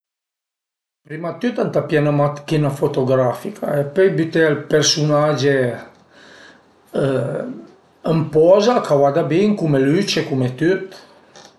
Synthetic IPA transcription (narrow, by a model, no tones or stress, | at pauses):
pɾimat̪yt̪ant̪apjɛnamat̪kinafot̪oɡɾafikʰa̰epøjbyt̪ealpeɾsunad͡ʒe | əmpɔzakawad̪abiŋkumelyt͡ʃekumet̪yt̪